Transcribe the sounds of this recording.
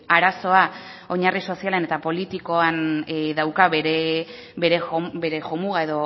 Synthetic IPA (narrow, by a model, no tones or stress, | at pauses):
aɾaso̞a | o̞ɲariso̞sialene̞t̪apo̞lit̪iko̞anðawkaβeɾe | be̞ɾe̞obe̞ɾe̞ʝomuɣae̞ðo̞